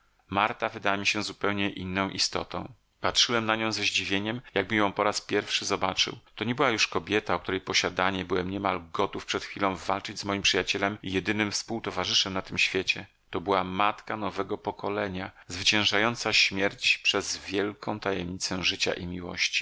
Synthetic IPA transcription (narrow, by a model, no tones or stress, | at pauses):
maɾt̪avɘd̪awamʲiɕɛzupɛwɲɛʔinːɔ̃w̃ʔist̪ɔ̰t̪ɔ̰̃w̃ | patʂɘwɛmnaɲɔ̃w̃zɛʑd͡ʑivʲjeɲɛmjaɡ̚bɘjɔ̃w̃pɔɾaspʲjɛɾfʂɘzɔbat͡ʂɘ̰wt̪ɔɲɛbɘwajuʂkɔbʲjɛt̪aɔk̚t̪uɾɛjpɔɕad̪aɲɛbɘwɛmɲɛmalɡɔt̪ufpʂɛt̪xfʲilɔ̃w̃valt͡ʂɘd͡ʑzmɔjimpʂɨjat͡ɕɛlɛmijɛd̪ɘnɘmfspuwt̪ɔvaʐɘʂɛmnat̪ɘmɕfʲjɛt͡ɕɛ | t̪ɔbɘwamat̪kanɔvɛɡɔpɔkɔlɛɲazvɘt͡ɕɛ̃w̃ʐajɔnt̪saɕmʲjɛɾt͡ɕpʂɛzvʲjɛlkʰɔ̃w̃t̪ajɛmɲit̪sɛw̃ʐɘt͡ɕa̰ʔimʲiwɔ̰ɕt͡ɕi̥